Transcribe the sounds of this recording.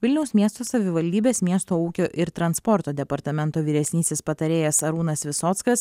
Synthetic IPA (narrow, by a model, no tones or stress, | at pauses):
ʋʲɪlʲnʲɛʊsmʲiɛst̪oːsɐʋʲɪʋɐlʲd̪ʲiːbʲeːsmʲiɛst̪oːuːkʲoːʔɪɾt̪ɾɐnspɔɾt̪oːd̪ʲɛpɐɾt̪ɐmʲɛnt̪oːʋʲiːɾʲɛsʲnʲiːsʲespɐt̪ɐɾʲeːjɛsɐɾuːnɐsʋʲɪsoːt̪skɐs